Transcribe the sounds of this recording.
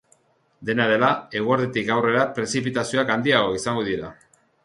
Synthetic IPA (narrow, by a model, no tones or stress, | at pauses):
d̪e̞naðe̞lae̞ɣ̞uaɾðet̪ikawre̞ɾapɾe̞sipit̪asio̞akand̪iaɣo̞isaŋɡoðiɾa